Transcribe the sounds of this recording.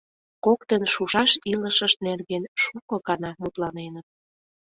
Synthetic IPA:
kokt̪ənʃuʃɑʃiləʃə̆ʃnerɣenʃukɤ̆kɑnɑmut̪lɑnenət̪̚

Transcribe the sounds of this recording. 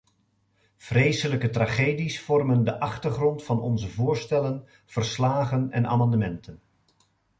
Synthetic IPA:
v̥rejsələkətraːχejdisfɔrməndəʔɑχtəɹχrɔntfɑnɔ̰nzəvʊːɹstɛlən | v̥ərslaːχənɛ̰na̰ːmɑndəmɛntʰən

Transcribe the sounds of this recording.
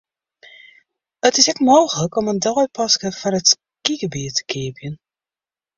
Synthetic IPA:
ətɪsɛkmoːwχələkɔməndɔɥpɑskəfɑnət | kiɡəbiːtə̥keːpjən

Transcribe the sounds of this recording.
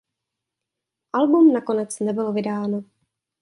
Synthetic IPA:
ʔalbumnako̞nɛt͡snɛbɪlovɪdaːno

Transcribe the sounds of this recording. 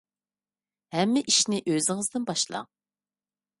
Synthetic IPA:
hɛmːɪʔiʃnɪʔøzɪŋɨzd̪ɪnbɑʃlˠɑ̰ŋ

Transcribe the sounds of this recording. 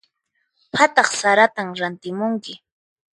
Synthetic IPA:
pʰat̪ɑχsaɾat̪amɾant̪ɪmʊŋkɪ

